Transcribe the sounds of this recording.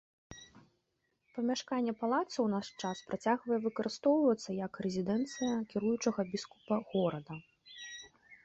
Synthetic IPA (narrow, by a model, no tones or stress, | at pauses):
pɐmʲaʂkanʲːɛpalˠat̪sɐwnaʂt͡ʂaspɾat͡sʲaɣvɐjɛvɨkɐɾʔɨst̪ɔwvɐt̪sːɐjɐkrɛzʲid̪ɛnt̪sɨjɐkʲiɾujut͡ʂɐɣɐbʲisku̥pɐɣɔɾɐd̪ɐ